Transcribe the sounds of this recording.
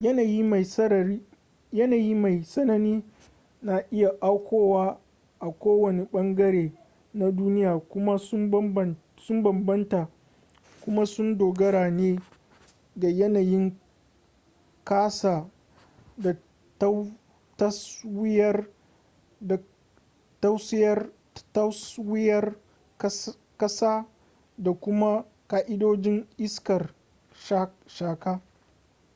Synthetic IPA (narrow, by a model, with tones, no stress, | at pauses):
jɐ˦na˨ji˦ma˨jsɐ˦˨i˦ | jɐ˦naː˨ji˦ma˨jsɐ˦nɐ˦niː˦ | naː˨ʔɪ˦ja˨ʔa˦wkʷoː˦waː˦ | ʔa˨kʷoː˦wɐ˨ne˨ɓɐ˦ŋɡɐ˦ɾeː˨ | na˦duː˦nɪ˦jaː˨kʷʊ˦ma˦ʊ˦m˦˨ | sʊ˦mbɐ˨mbɐ˦nta˨ | kʷʊ˦ma˦sʊ˦ndoː˨ɡɐ˦ɽaː˨neː˦ | da˨jɐ˦naː˨jɪ˦ŋ | kaː˦saː˨ | da˨ | t | tɐ˦swɪ˦jɐ˦r | da˨ | tɐ˦wsɪ˦jɐ˦r | ta˦swɪ˦jɐ˦r | kɐ˦saː˦ | da˨kʷʊ˦ma˦ | kaː˦ʔɪ˦doː˦d͡ʒɪ˦ŋʔɪ˦skɐ˨r | ʃa˦ | ʃaː˨kaː˦